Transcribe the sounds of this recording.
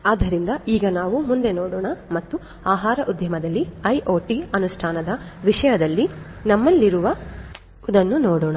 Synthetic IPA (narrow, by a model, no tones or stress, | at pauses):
aːd̪ɐɾind̪ɐiːɡɐnaːʋumund̪e̞noːɽɔːɳɐmɐt̪ːu | aːɦaːɾɐʔud̪ʱjɐmɐd̪ɐlːiɐjʔoːʈiɐnuʂʈʰaːnɐd̪ɐʋiʂɐjɐd̪ɐlːi | nɐmːɐlːiɾuʋɐ | id̪ɐnːunoːɽɔːɳɐ